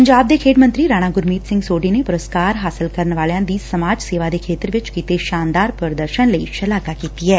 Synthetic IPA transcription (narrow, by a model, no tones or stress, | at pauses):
pəɲd͡ʒaːb̚d̪ekʰeːʈmə̃nt̪ɾiɾaːɽ̃aɡʊɾmiːt̪sɪ̃ŋɡsoːɖinepʊɾəskaːɾɦaːsɪlkəɾnʋaːljãd̪isɐmaːd͡ʒseːʋad̪ekʰeːt̪əɾʋɪt͡ʃkiːt̪eʃaːnd̪aːɾpəɾd̪əɾʃənləiʃɐlaːkakiːt̪iɦɛː